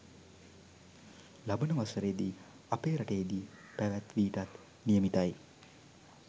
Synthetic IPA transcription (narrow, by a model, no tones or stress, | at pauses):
labənəʋasəɾed̪i | apeːɾaʈejed̪i | pæʋæt̪ʋiːt̪at̪ | nijəmit̪aj